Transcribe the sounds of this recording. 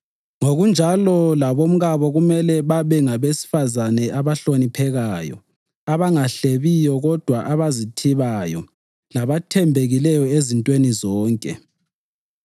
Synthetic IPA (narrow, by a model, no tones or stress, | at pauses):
ŋoɣund͡ʒʱalɔlaβom̩ɣaβɔɣumɛlɛβaβɛŋaβesi̥fazanɛʔaβaɬonipʰɛɣaːjɔ̰ | aβaŋaɬeβijɔɣɔd̥ʱwaʔaβazitʰiβajɔ̰ | laβatʰɛmbʱeɣilɛjɔezintʼwenizɔːŋkʼɛ̰